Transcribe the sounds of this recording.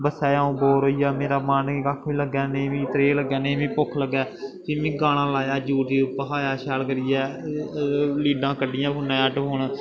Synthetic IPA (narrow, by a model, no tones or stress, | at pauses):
bəsɛːaːũːboːɾoːijaːmeːɾaːmaːnkiːaːkʰʋĩːləɡɛːnẽːʋĩːt̪ɾeːləɡɛːnẽːʋĩːpʊkʰləɡɛː | iːʋĩːɡaːɽ̃ãːlaːjaːd͡ʒuːʈiːʊpəɦaːjaːʃaːlkəɾijɛː | liːɖãːkəɖɪjãːpʊnãːəʈɦoːɳ